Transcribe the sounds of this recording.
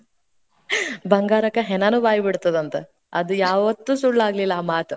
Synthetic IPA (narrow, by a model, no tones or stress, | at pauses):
bɐŋɡaːɾɐkɐɦɛnɐnubaːjɐbiɽt̪ːɐd̪ɐnt̪e | ɐd̪ujaːʋɐt̪ːuːsuɭːaːɡlilːɐaːmaːt̪u